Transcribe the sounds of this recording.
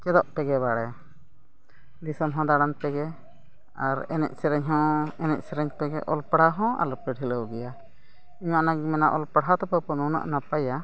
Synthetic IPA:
kɛd̪ɔʔpɛɡɛβaɽɛ | lisəmɦɔ̃d̪aɽanpɛɡɛ | aɾɛnɛ̰ʔ̚sɛɾɛɲɦɔ̃ɛnɛʔ̚sɛɾɛɲpɛɡɛʔɔlpɽ̤aɦɔ̃a̰lɔpɛɽʱiləwɡɛja | iɲaʔnaɡmɛnaʔɔlpəɽɦat̪ɔpəpɔnɔwna̰ʔnapaja

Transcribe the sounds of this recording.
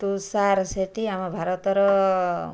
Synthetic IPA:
t̪usaɾseʈ̪iamɔbʱaɾɔt̪ɔɾɔ

